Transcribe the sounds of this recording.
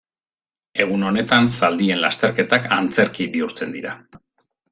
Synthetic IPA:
e̞ɣ̞uno̞ne̞t̪ansald̪ie̞nla̰st̪e̞ɾke̞t̪akant͡se̞ɾkibiuɾt͡se̞nd̪iɾa̰

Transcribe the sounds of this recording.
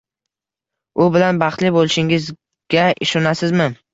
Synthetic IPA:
ʊbɪlanbɑχt̪lɪbolɪʃɪŋɪz | ɡ̥ʲaʔɪ̰ʃɒnasɪzmɪ

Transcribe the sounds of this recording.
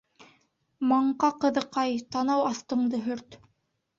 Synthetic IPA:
mɑɴqɑqɤ̆ðɤ̆qɑjt̪ɑnɑwɑst̪ɤ̆ɴd̪ɤɦɵɾt̪

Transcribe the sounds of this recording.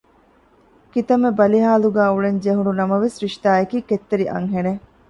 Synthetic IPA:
kit̪ɐmebɐliɦaːluɡæːuɭeɲd͡ʒeɦuɳunɐmɐʋesɾiʃt̪aːekiːket̪ːeɾiʔɐ̰ŋɦene

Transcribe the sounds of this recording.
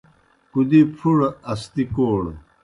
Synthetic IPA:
kud̪ipʰuɽɐst̪ikoːɽ

